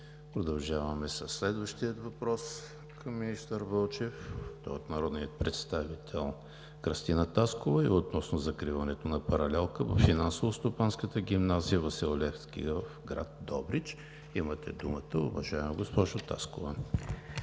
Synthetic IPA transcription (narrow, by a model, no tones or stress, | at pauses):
pɾod̪ɐlˠʒavɐmɛsəsːlɛd̪vəʃt̪iət̪vɐpɾɔs | kʰɐmːinist̪əɾvɤlˠt͡ʃɛft̪ɔ̰jot̪nɐɾɔd̪niət̪̚pɾɛt̪st̪avit̪ʰɛlˠ | kɾəst̪inət̪askovəiot̪̚nɔsnozɐkɾivɐnɛt̪onɐpɐɾɐlɛlˠkəvə̰fːinansovost̪opanskət̪əɡʲimnazijəvɐsilˠolʲɛfskʲḭvəfɡɾa̰t̪̚d̪ɔbɾit͡ʃ | imət̪ɛd̪umət̪əʊ̰vɐʒaɛmɡospɔʒʊt̪a̰skovə